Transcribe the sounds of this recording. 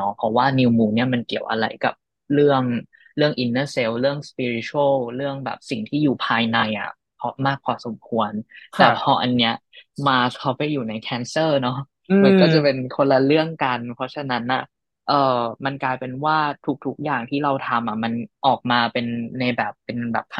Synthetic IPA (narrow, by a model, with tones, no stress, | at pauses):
nɔ˦˥pʰɔ˧˩waː˥˩ni˧wmuː˧ni˥˩ɐma˧nki˨˩əwʔa̰˧ɾa̰˧jka̰˨˩p̚ | ɾɯ˥˩əŋ | ɾɯ˥˩əŋʔi˧nːɤː˥˩se˧˥wɾɯ˥˩əŋspiː˧ɾi˧˥t͡ɕʰu˧˦ə˥˩wɾɯ˥˩əŋbɛ̰ː˨˩p̚si˨˩ŋt̪ʰiː˥˩juː˨˩pʰaː˧jna˧jʔa̰˨˩ | pʰɔ˧˩maː˥˩k̚ʰːɔː˧˩so˨˩˦mkʰu˧ənkt̪ɛː˨˩pʰɔː˧ʔa˧nːi˦˥ɐmaː˧kʰa˦˥wpa˧jːuː˨˩na˧jkʰɛː˨˥nsɤː˥˩nɔ˦˥ | ma˧nkɔː˥˩t͡ɕa˨˩pe˧nkʰo˧la˧ɾɯ˥˩əŋka˧npʰɔ˦˥t͡ɕʰa˧na˦˥nʔa˨˩ | ʔɤː˨˩ma˧nklaː˧jpe˧nwaː˥˩t̪ʰu˦˥k̚t̪ʰu˦˥k̚jaː˨˩ŋt̪ʰiː˥˩ɾa˧wt̪ʰa˧mʔa˨˩ma˧nʔɔː˨˩k̚maː˧pe˧nːa˧jbɛː˨˩pːe˧nbɛ̰ː˨˩p̚k̪ʰ